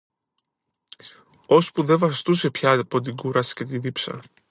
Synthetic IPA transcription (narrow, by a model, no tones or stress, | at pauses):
o̞spuðe̞vɐst̪use̞pçɐipo̞t̪̬iɡuɾɐsce̞t̪iðipsɐ̰